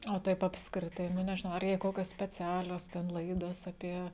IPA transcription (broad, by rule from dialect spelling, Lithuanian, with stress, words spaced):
oː ˈtɐɪp ɐpskrʲɪˈtɐɪ ˈnʊ nʲɛʒʲɪˈnɐʊ ɐr jɛɪ ˈkoːkʲoːs sʲpʲɛˈt͡sʲæːlʲoːs tʲɛn ˈlˠɐɪdoːs ɐˈpʲiɛ